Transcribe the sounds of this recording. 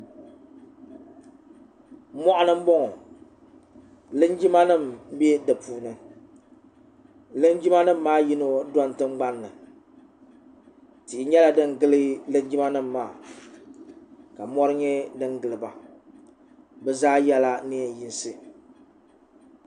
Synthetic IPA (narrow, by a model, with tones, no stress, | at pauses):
mɔ˦ʔʊ˦nɨ˦m̩˦bɔ˦ŋɔ˨ | lɨ˦nd͡ʒi˦ma˦nɨ˦˨mbɛ˦dɨ˨puː˨nɨ˨ | lɨ˦n˦d͡ʒi˦ma˦nɨ˦m̩ː˦aː˦ji˦no˦dɔ˦n˨tɨ˦ŋ͡mɡ͡ba˦nːɨ˨ | tɪ˨ʔɪ˨ɲɛ˦la˨dɨ˦ŋɡɨ˦lɨ˦lɨ˦nd͡ʒi˦ma˦nɨ˦m̩ːaː˦˨ | ka˨mɔ˦ɾɨ˦ɲɛ˦dɨ˦ŋɡɨ˨lɨ˨ba˨ | bɛ˦zaː˦jɛ˦la˦ni˦ɛ˨ji˦nsɨ˦